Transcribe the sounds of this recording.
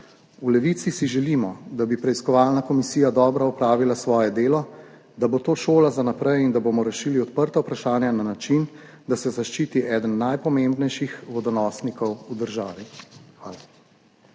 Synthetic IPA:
ulɛʋit̪sisiʒɛlimɔd̪abipɾɛiskɔʋaːlnakɔmisiːjad̪ɔːbɾaɔpɾaːʋilasʋɔːjɛd̪eːlɔ | d̪abot̪oːʃoːlazanapɾɛjind̪aboːmɔɾɛʃiːliɔt̪pəɾt̪awpɾaʃaːnjananat͡ʃin | d̪asɛzaʃt͡ʃiːt̪iʔɛːd̪ənːajpɔmembnɛjʃixʋɔd̪ɔnɔːsnikɔwud̪əɾʒaːʋixʋaːla

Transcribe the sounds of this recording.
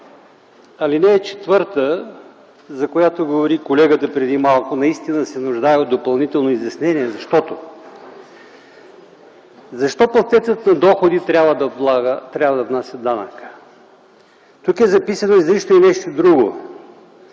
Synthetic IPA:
ɐlinɛːt͡ʃɛ̥t̪vɤɾt̪ə | zɐkojat̪oɡovoɾikolɛɡət̪əpɾɛd̪imalˠkʊnɐist̪inəsɛnʊʒd̪aɛod̪opɐlˠnit̪ɛlˠnoizʲjɐsnɛniɛzɐʃt̪ɔt̪o | zɐʃt̪ɔpost̪ɛt̪sət̪nɐd̪ɔxod̪it̪ɾʲavəd̪ɐlˠaɡət̪ɾʲavəd̪ɐvnasʲjəd̪anə̰kə̥ | t̪ukɛzɐpisɐnoizliʃt̪oinɛʃt̪od̪ɾuɡo

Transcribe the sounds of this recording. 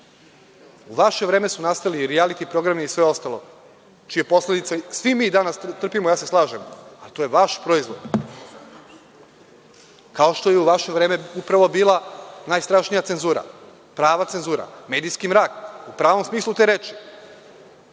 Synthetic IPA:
uʋaʃe̞ʋɾe̞ːmesunast̪ajliɾialit̪ipɾo̞ɡɾameisʋe̞o̞st̪alˠo̞̰ | t͡ʃije̞po̞sle̞d̪it̪sasʋimiːd̪anast̪t̪r̩pimojaːse̞slˠaːʒemalit̪o̞jeʋaʃpɾoizʋod̪ | kao̞ʃt̪o̞jeuʋaʃe̞ʋɾe̞ːmeupɾaʋo̞biːlˠanajst̪ɾaʃnijat̪enzuːɾa̰ | pɾaːʋat̪senzuːɾa̰me̞ːd̪ijskimɾaːkupɾaːʋo̞msmiːslˠut̪eːɾeːt͡ʃi̥

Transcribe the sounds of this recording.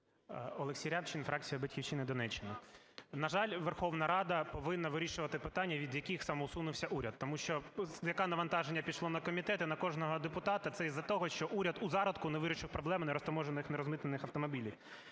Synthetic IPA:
ɔlˠeksʲijɾʲapt͡ʃɪnfɾʔɑk̚t͡sʲijɐbɐtʲkʲiʋt͡ʃɪnɪd̪ɔnɛt͡ʃːɪnɐ | nɐʒɑlʲʋerxɔʋnɐɾɑd̪ɐpɔʋɪnːɐʋɪɾʲiʃʊʋɐt̪ɪpɪt̪ɑnʲːɐʋʲid̪jɐkʲixsɐmɔʊsunʊwsʲɐʔuɾʲɐd̪̚t̪ɔmuʃt͡ʃɔjɐkɑnɐʋɐn̪t̪ɑʒenʲːɐpʲiʃlˠɔnɐkɔmʲit̪ɛt̪ɪnɐkɔʐnɔɦɔd̪epʊt̪ɑt̪ɐt̪sɛizɐt̪ɔɦɔʃt͡ʃɔʔuɾʲɐd̪uzɑɾɐd̪kʊneʋɪɾʲɪʃɪwpɾɔblˠɛmnɛɾɔsp̪ɐmɔʒenɪxnɛɾɔzmɪt̪enɪxɐwt̪ɔmɔbʲilʲiw

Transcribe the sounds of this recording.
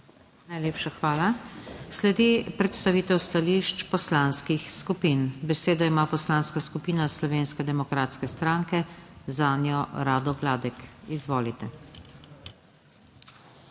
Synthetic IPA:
najleːpʃaxʋaːlaslɛd̪ipɾɛt̪st̪aʋiːt̪ɛwst̪aliʃt͡ʃpɔslanskixskupiːnbɛseːd̪ɔimaːpɔslaːnskaskupiːnaslɔʋeːnskɛd̪ɛmɔkɾaːt̪skɛst̪ɾaːŋkɛzaːnjɔɾaːd̪ɔɡlaːd̪ɛkizʋoːlit̪ɛ

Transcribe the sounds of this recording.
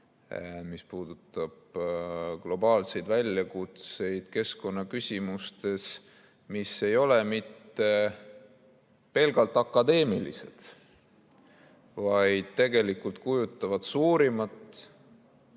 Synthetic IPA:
mispuːd̪̥ut̪ːˑɑb̥ɡ̥lo̞bɑːlse̞jd̪̥vælʲjɑkut̪se̞jd̪̥ke̞sko̞nːɑkysʲimust̪e̞s | mise̞jo̞lemit̪ːe̞ | pe̞lɡ̥ɑlt̪ːˑɑkːˑɑd̪e̞ːmilḭse̞̰d̪̥ | vɑjd̪̥t̪e̞ɡe̞likult̪̚kujut̪ˑːɑvɑd̪̥suːɾimɑt̪ːˑ

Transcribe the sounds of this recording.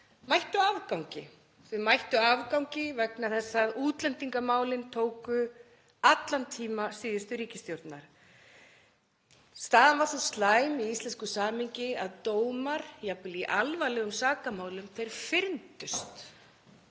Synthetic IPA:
majht̪ʏavkawɲcɪ | θvɪmajht̪ʏavkawŋcɪvɛknaθɛsːaðuːt̪lɛnt̪iŋkamaːwlɪnt̪ʰoːwkʏ | at̪lant̪ʰiːmasiːðʏst̪ʏɾiːcɪst̪jowɾt̪naɾ̥ | st̪aːðanvaɾsɔst̪laːjmiist̪lɛnskʏsaːmɪɲcɪa̰ðt̪oːwmaɾ̥japʏliʔalvalɛɣʏmsaːkamaːwlʏmθʰejɾ̥fɪɾnt̪ʏst̪

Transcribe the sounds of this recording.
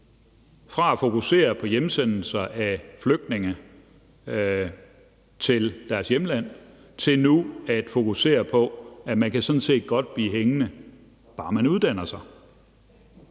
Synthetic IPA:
fʁɑ̈æfo̝kuse̝̰ːɐpʰɒ̽jemsen̰l̩sɐʔæfløɡ̥̚d̥ne̝ŋə | t͡sʰe̝ld̥æɐsjemlæn̰ | t͡sʰe̝lnuæd̥fo̝kʰuse̝̰ːɐpʰɒ̽æmænkʰæsɒ̽n̩se̝̰ːd̥̚ɡ̥ɒ̽d̥̚b̥liːɦeŋənə | b̥ɑ̈ːmænuð̞ˠd̥æn̰ɐsɑ̈ɪ

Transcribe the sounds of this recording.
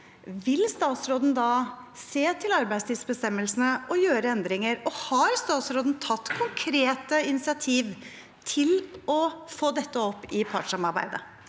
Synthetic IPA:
ʋɪlst̪ɑːt̪sɾoːd̪n̩d̪ɑseːt̪ʰɪlɑɾbæɪst̪ʰɪːd̪sbəst̪ɛmːəlsn̩əʔɔjøːɾəɛnd̪ɾɪŋəɾɔhɑɾst̪ɑːt̪sɾoːd̪n̩t̪ʰɑt̪ːkʰʊŋkʰɾeːt̪əɪnɪsɪɑt̪ʰiːʋ | t̪ʰɪlɔfoːd̪ɛt̪ːəɔpːɪpʰɑ̰ʈʂɑmɑɾbæ̰ɪd̪ə̰

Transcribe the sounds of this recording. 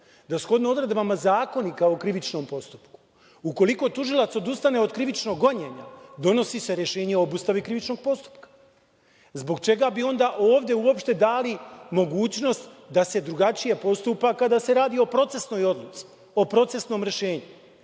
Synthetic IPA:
d̪asxo̞d̪noo̞d̪ɾed̪bamazaːko̞nikaokɾiʋit͡ʃno̞ːmpo̞st̪u̥pku̥ | uko̞liko̞t̪uʒilˠat̪so̞d̪ust̪ane̞od̪kɾiʋit͡ʃno̞ɡːo̞ɲeɲa̰d̪o̞no̞sise̞ɾjeʃe̞ːɲeoobust̪aʋikɾiʋit͡ʃno̞ɡ̚po̞st̪u̥pkḁ | zbo̞ɡt͡ʃe̞ɡabio̞nd̪aʔo̞ːʋd̪e̞uo̞pʃt̪e̞d̪aːlimo̞ɡuːt͡ɕno̞st̪d̪ase̞d̪ɾuɡat͡ʃije̞po̞st̪uːpakad̪ase̞ɾaːd̪io̞pɾo̞t̪se̞sno̞jo̞d̪lut̪si̥ | o̞pɾo̞t̪se̞sno̞ːmɾe̞ʃe̞ːɲu

